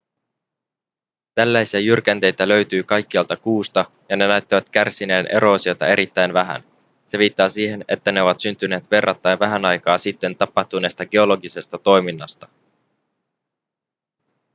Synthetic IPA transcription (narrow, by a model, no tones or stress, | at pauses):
t̪ælːæjsiæjyrk̟ænt̪e̞jt̪ælø̞ɥt̪yːkɑjkːiɑlt̪ɑkuːst̪ɑ | jɑne̞næɥt̪ːiʋæt̪k̟ærsine̞ːnʔe̞̰ɾʔo̞ːsiojt̪ɑ̰e̞ɾʔit̪ːæjnʋæɦæ̰n | se̞ʋiːt̪ːɑːsiːhe̞ne̞t̪ːæne̞o̞ʋɑt̪synt̪yneːt̪ʋe̞rːɑt̪ːæjnʋæɦænɑjkɑːsit̪ːe̞nt̪ɑpːɑht̪une̞st̪ɑɡe̞o̞lo̞ɡise̞st̪ɑt̪o̞jminːɑst̪ɑ̥